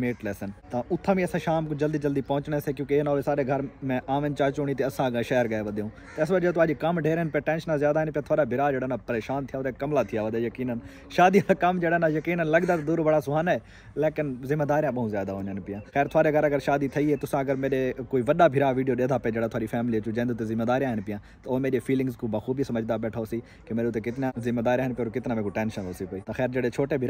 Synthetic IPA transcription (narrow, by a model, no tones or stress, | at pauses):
meːʈleːsənt̪aʔʊt̪ʰːãːbĩəsãːʃaːmkd͡ʒəld̪iːd͡ʒəld̪iːpɐɦʊ̃t͡ʃɽeːseːkjõːkeːnaoeːsaːɾeːɡʱəɾmɛ̃ːʔaːʋɪ̃nt͡ʃaːt͡ʃoːɽ̃iːt̪eːəsãːʃeːəɾɡəeːʋəd̪eːũː | t̪eɪsʋəd͡ʒət̪uəd͡ʒkəmɖʱeːɾeɦənpɪjãːʈɛ̃ːnʃnãzjaːd̪aːɪnpɪjãːt̪ʰaːɾaːbʱɪɾaːd͡ʒeːɽaɦnapəɾeːʃaːnt̪ʰɪjaːʋəd̪akɐmlaːt̪ʰɪjaːʋəd̪ejəkiːnən | ʃaːd̪iãkəmd͡ʒeːɽaːnaːjəkiːnənləɡd̪aːt̪ːd̪uːɾbəɽaːsʊɦaːneː | leːkɪnzɪmːaːd̪aːɾijãɓɐɦũzjaːd̪aɦoːnɦnpɪjãːxɛːɾt̪ʰʊaːɾeɡəɾɐɡəɾʃaːd̪it̪ʰɐiːɦet̪ʊsãɐɡəɾmeːɗekoːiːʋɐɗabʱɪɾaːʋiːɖijoːɗeːd̪ʱaːpɐed͡ʒeːɽat̪ʰaːɾifʰɛːmɪliɐt͡ʃũd͡ʒɐ̃ːnd̪ʊt̪ezɪmeːd̪aːɾijãɦɪnpɪjãːt̪ɐoːmeːɗefʰiːlɪ̃ŋɡzkubɐxuːbisɐməd͡ʒd̪abɛːʈʰaoːsiː | kemeːɾeʊt̪ekɪt̪nãzɪmːeːd̪aːɾijãːɦɪnpjːɾkɪt̪nãːmẽːkuʈɛːnʃənoːsipəiːt̪ɐxɛːɾd͡ʒəɽet͡ʃʰoːʈebʱɪ